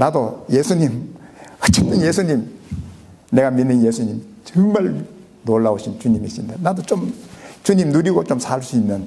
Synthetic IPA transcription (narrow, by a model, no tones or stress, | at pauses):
nadojesʰuɲimʌt͡ɕ͈et͈ɯnjesʰuɲim | ne̞ɡaminːɯnjesʰuɲimt͡ɕɯŋmaɭ | noɭːaoɕʰint͡ɕuɲimiɕindanad̪ot͡ɕomt͡ɕuɲimnuɾiɡot͡ɕomsʰaɭs͈uinːɯn